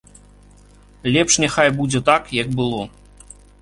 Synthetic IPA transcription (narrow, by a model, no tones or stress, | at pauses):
lʲɛpʂnʲɛxajbud͡zʲɛt̪akjak̚bɨlˠɔ